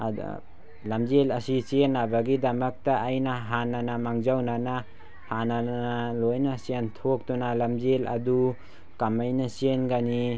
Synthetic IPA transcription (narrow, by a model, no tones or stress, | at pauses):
lamzelasisenːabaɡidamɐk̚taːjnaɦananamaŋzawnana | hananalojnasentʰok̚tunalamzela̰du | kamajnasenɡani